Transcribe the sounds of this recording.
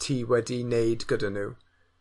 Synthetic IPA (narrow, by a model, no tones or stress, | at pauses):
tʰiːwɛdinejdɡ̥ədanuː